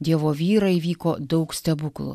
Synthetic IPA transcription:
d̪ʲiɛʋoːʋʲiːɾɐʋʲiːkoːd̪ɐʊksʲt̪ʲɛbʊklˠʊ̰

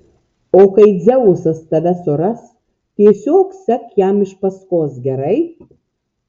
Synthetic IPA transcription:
oːkɐɪd͡zʲɛʊsɐst̪ɐʋʲɛsʊɾɐs | t̪ʲiɛsʲoːksɐkjæmɪʃpɐskoːsɡʲɛɾɐɪ

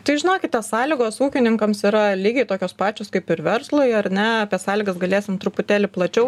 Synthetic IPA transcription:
t̪ɐɪʒʲɪnoːkʲɪt̪ʲɛssɑːlʲɪɡoːsuːkʲɪnʲɪŋkɐmsiɾɐlʲiːɡʲɛɪt̪oːkʲoːspɑːt͡ʃʲoːskɐɪpɪɾʋʲɛɾslˠoɪɐɾʲnʲɛɐpʲeːsɑːlʲɪɡɐsɡɐlʲeːsʲɪmt̪ɾʊpʊt̪ʲæːlʲɪplˠɐt͡ʃʲɛʊ

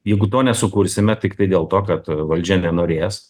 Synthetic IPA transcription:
jɛɪɡʊt̪oːnʲɛsʊkuːɾʲsʲɪmʲɛt̪ʲɪkt̪ɐɪd̪ʲeːlˠt̪oːkɐt̪ʋɐlʲd͡ʒʲɛnʲɛnoːɾʲeːs

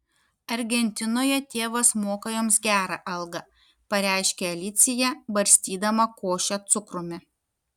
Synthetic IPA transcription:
ɐɾʲɡʲɛnʲt̪ʲɪnoːjɛt̪ʲeːʋɐsmoːkɐjoːmsɡʲæːɾɐʔɐlˠɡɐ | pɐɾʲæɪʃʲkʲeɐlʲɪt̪sʲɪjɛbɐɾʲsʲt̪ʲiːd̪ɐmɐkoːʃʲɛt̪sʊkɾʊmʲɪ

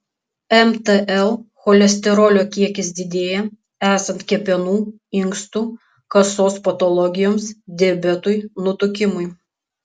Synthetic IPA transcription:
ɛmt̪ɛʔɛlˠxɔlʲɛsʲt̪ʲɛɾɔlʲoːkʲiɛkʲɪsd̪ʲɪd̪ʲeːjɛ | æːsɐnt̪kʲɛpʲɛnuː | ɪŋkst̪uː | kɐsoːspɐt̪ɔlˠɔɡʲɪjoːmsd̪ʲɛbʲɛt̪ʊjnʊt̪ʊkʲɪmʊj

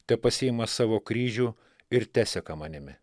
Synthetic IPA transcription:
t̪ʲɛpɐsʲɪɪmɐsɑːʋoːkɾʲiːʒʲuː | ɪɾt̪ʲæːsʲɛkɐmɐnʲɪmʲɪ

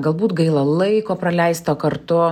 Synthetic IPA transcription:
ɡɐlˠbuːt̪ɡɐɪlˠɐlˠɐɪkoːpɾɐlʲɛɪst̪oːkɐrt̪ʊ

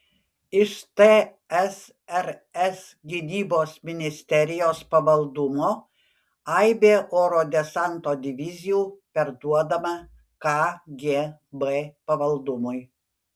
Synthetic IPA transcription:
ɪʃt̪e | ɛs | ɛɾɛs | ɡʲɪnʲiːboːsmʲɪnʲɪsʲt̪ʲɛɾʲɪjoːspɐʋɐlˠd̪ʊmoː | ɐɪbʲeːʔoːɾoːd̪ʲɛsɐnt̪oːd̪ʲɪʋʲɪzʲɪjuːpʲɛɾd̪uɔd̪ɐmɐ | kɑɡʲeːbepɐʋɐlˠd̪ʊmʊj

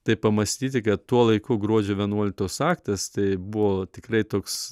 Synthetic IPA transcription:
t̪ɐɪpɐmɐsʲt̪ʲiːt̪ʲɪkɐt̪t̪uɔlˠɐɪkʊɡɾuɔd͡ʒʲoːʋʲiɛnuɔlʲɪk̚t̪oːsɑːkt̪ɐst̪ɐɪbʊʋoːt̪ʲɪkɾɐɪt̪oːks

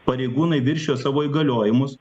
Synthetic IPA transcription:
pɐɾʲɛɪɡuːnɐɪʋʲɪɾʲʃʲoːsɑːʋoːiːɡɐlʲoːjɪmʊs

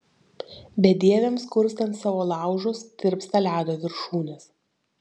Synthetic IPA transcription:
bʲɛd̪ʲiɛʋʲɛmskʊɾʲsʲt̪ɐnt̪sɑːʋoːlˠɑˑʊʒʊst̪ʲɪɾpst̪ɐlʲæːd̪oːʋʲɪɾʃuːnʲɛs

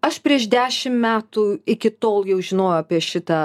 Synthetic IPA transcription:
ɐʃpʲɾʲiɛʃd̪ʲæːʃʲɪmmʲæːt̪uːɪkʲɪt̪oːlˠjɛʊʒʲɪnoːjʊɐpʲiɛʃʲɪt̪ɐ

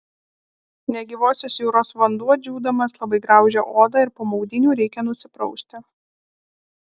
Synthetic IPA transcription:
nʲɛɡʲiʋoːsʲoːsjuːɾoːsʋɐnd̪uɔd͡ʒʲuːd̪ɐmɐslˠɐbɐɪɡɾɑˑʊʒʲoʔoːd̪ɑɪɾpoːmɒʊd̪ʲɪnʲuːɾʲɛɪkʲɛnʊsʲɪpɾɔʊsʲt̪ʲɪ

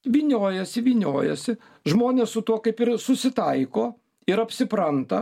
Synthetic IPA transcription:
ʋʲiːnʲoːjɛsʲɪʋʲiːnʲoːjɛ̰sʲɪ | ʒmoːnʲeːssʊt̪uɔkɐɪpɪɾsʊsʲɪt̪ɐɪkoː | ɪɾɐpʲsʲɪpɾɐnt̪ɐ

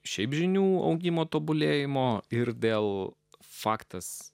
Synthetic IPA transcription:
ʃʲɛɪpʒʲɪnʲuːɐ̰ʊɡʲɪmoːt̪oːbʊlʲeːjɪmoːɪɾd̪ʲeːlˠ | fɑːkt̪ɐs

